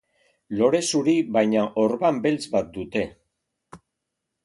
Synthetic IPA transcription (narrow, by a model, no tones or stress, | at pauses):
lo̞ɾe̞suɾiβajɲaʔoɾβambe̞lt͡sβat̪̚d̪ut̪e̞